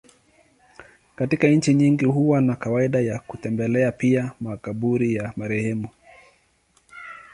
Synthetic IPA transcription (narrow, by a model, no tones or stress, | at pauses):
katikaɲ̩t͡ʃiɲiŋɡihuwanakawaiɗajakutɛmbɛlɛapiamakaɓuɾijamaɾɛhɛmu